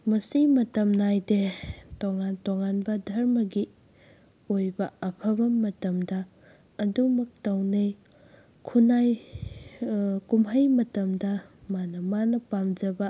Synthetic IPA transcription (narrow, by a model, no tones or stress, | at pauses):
mɐsimɐtɐmnajdetoŋantoŋanbɐdʱɐɾmɐɡi | ojbɐɐpʰɐbɐmɐtɐmdɐː | dumɐk̚tɐwnej | kʰunaj | kumɦɐjmɐtɐmdɐmanɐmanɐpamd͡ʒɐbɐ